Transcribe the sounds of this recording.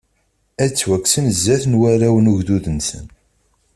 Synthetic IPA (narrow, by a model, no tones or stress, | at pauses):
æt͡sːwækːsənzːæθnwæɾæwənuʝðuðənsə̰n